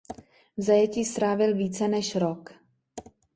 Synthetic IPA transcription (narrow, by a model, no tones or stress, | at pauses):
vzajɛciːst̪ɾaːvɪlviːt͡sɛnɛʃɾok